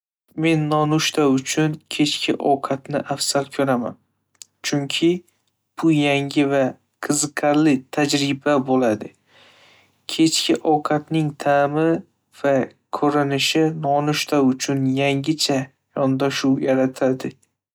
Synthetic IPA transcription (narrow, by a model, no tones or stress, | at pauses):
me̞nːɒnʊʃt̪ʰaʊt͡ʃʰʊnkʲʰe̞t͡ʃkʲʰɪʔɒ̰wqʰɑt̪nɪʔafsalkʰɵɾama̰n | t͡ʃʰʊŋkʲʰɪ | b̥ʊjaŋʲɪva | qʰɨzɨqʰaɾlɪt̪ʰad͡ʒɾɪbabolad̪ɪ | kʲʰe̞t͡ʃkʲɪʔɒwqʰɑt̪nɪŋt̪ʰamɪ | v̥akʰoɾɪnɪʃɪnɒnʊʃt̪aʊt͡ʃʰʊnjaŋʲɪt͡ʃʰa | jɒnd̪aʃuwjaɾat̪ʰad̪ɪ